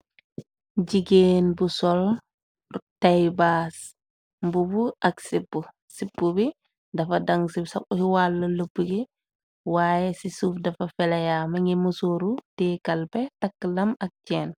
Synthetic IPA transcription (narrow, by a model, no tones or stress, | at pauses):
ɟiɡeːnbusɔl | tajbas | mbubuʔɐksipːu | sipːubi | dɐfɐdɐŋsibsɐkɔhiwalːɐləpːuɡi | waːjɛsisuːfdɐfɐfɛlɐjamɐŋimusoːɾutɛkɐlpɛtɐkːlɐmɐk̚t͡ʃɛːn